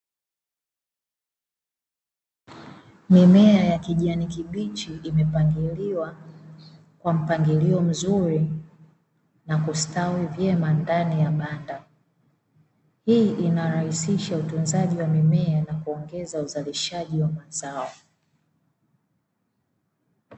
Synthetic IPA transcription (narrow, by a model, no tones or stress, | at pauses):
mimɛajakiʄanikiɓit͡ʃiʔimɛpaŋɡiliwa | kwam̩paŋɡiliɔm̩zuɾi | nakustawivjɛmandanijaɓanda | hiʔinaɾahisiʃautunzaʄiwamimɛanakuɔŋɡɛzauzaliʃaʄiwamazaɔ